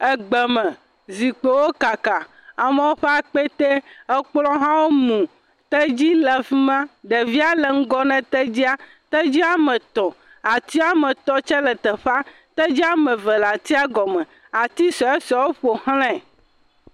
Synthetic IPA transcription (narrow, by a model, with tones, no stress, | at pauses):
ɛ˦ɡ͡bɛ˨mɛ̃˨ | zi˨k͡po˨wo˦ka˨ka˨ | a˨mɛ̃˦wo˦ɸe˦a˦˨k͡pe˦t̪e˦ɛ˦k͡plɔ̃˦ɦã˦wo˦mũ˨ | t̪ɛ˦d͡ʑi˦lɛ˨fi˦mã˦ɖɛ˨vi˦a˦lɛ˨ŋ̩˦ɡɔ˦nɛ̃˨t̪ɛ˦d͡ʑi˦a˦ | t̪ɛ˦d͡ʑi˦a˦mɛ̃˨t̪ɔ˨ | a˨t̪i˦a˦mɛ̃˨t̪ɔ˦t͡ʃɛ˦lɛ˨t̪ɛ˨ɸa˦ | t̪ɛ˦d͡ʑi˦a˦mɛ̃˨vɛ˨la˨t̪i˦a˦ɡɔ˨mɛ̃˨ | a˨t̪i˦sɔ˨ɛ˦sɔ˨wo˦ɸo˨hlɛ̃˦˨